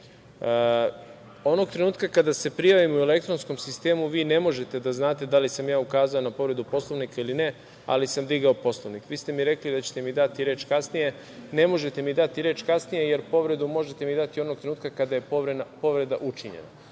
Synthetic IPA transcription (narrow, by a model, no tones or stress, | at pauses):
o̞no̞ɡ̚t̪ɾe̞nuːt̪kakad̪ase̞pɾijaʋimue̞le̞kt̪ɾonsko̞msist̪e̞ːmuʋiːne̞mo̞ʒe̞t̪e̞d̪aznaːt̪e̞d̪alisamjaːukaːzaonapo̞ʋɾe̞d̪upo̞slˠo̞ʋnikailine | a̰lisamd̪iɡaopo̞slˠoʋnikʋiːst̪e̞miɾe̞klid̪at͡ɕe̥t̪e̞mid̪at̪iɾe̞ːt͡ʃkasnije̞ | ne̞mo̞ʒe̞t̪e̞mid̪at̪iɾe̞ːt͡ʃkasnije̞je̞ɾpo̞ʋɾe̞d̪umo̞ʒet̪e̞mid̪at̪io̞no̞ɡ̚t̪ɾenuːt̪kakad̪aje̞poʋɾenapo̞ʋɾe̞d̪a̰ʔut͡ʃiɲḛna